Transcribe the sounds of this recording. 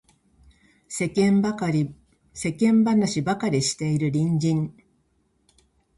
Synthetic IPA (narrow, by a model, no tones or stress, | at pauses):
sekẽmkɾʲ | se̞kẽ̞mbanaɕibakaɾʲiɕi̥t̪e̞iɾɯ̟ɾʲĩɲd͡ʑĩŋ